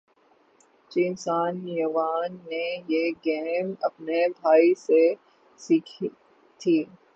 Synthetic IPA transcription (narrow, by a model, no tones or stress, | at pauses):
t͡ʃiːnsaːnjəʋaːnːejeɡɛːnɐpnebʱaːise | siːkʰi | t̪ʰiː